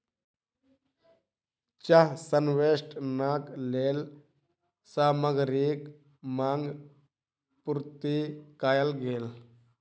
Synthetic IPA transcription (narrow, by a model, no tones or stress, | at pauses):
t͡ʃəɦsənʋeːsʈnaːkleːl | saːməɡɾik | maːŋɡ | puɾt̪ikaːjəlɡʱeːl